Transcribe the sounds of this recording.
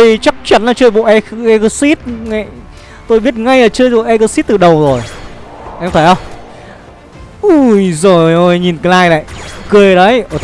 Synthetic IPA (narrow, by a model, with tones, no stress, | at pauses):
i˧t͡ɕa˦˥k̚t͡ɕa˨˦nlaː˨˩t͡ɕəː˧jɓo̰˧˨ʔɛ˧ʔɛ˧ɣə˨˧˦si˦˥t̚ŋa˧˨ | t̪o˧jɓi˦˥t̚ŋa˧jlaː˨˩t͡ɕəː˧jɓo̰˧˨ʔɛ˧ɣə˧˦si˦˥t̚t̪ɨ˨˩ɗə˨˩wzo˨˩j | ʔɛ˧mt̪ʰəː˧˩jhə˧wŋ͡m | ʔu˧˩jzo˨˩jjʔo˨˩jɲi˨˩nkə˨˧˦laː˧jla̰˧˨jkɨ˧ə˧ɗə˨˦jʔo˧˩